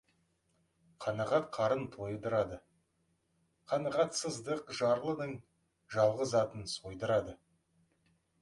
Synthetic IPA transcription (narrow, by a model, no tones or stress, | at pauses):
qʰɑnɑʁɑt̪̚qʰɑɾənt̪ʰo̞jəd̪əɾɑd̪ə | qʰɑnɑʁɑt̪səzd̪əqʒɑɾlˠənəɴ | ʒɑlˠʁəzɑt̪ənso̞jd̪əɾɑd̪ə